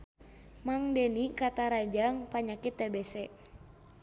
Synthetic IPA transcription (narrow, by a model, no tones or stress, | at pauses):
maŋdɛnikat̪aɾad͡ʒaŋpaɲakit̪ːɛbɛsɛ